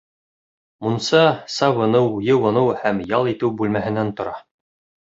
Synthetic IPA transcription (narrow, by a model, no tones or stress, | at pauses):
munsɑsɑβɤ̆nɤwjɤwɤ̆nɤwhæmjɑlˠit̪ɘwbʉlmæɦɘ̆nænt̪ŏɾɑ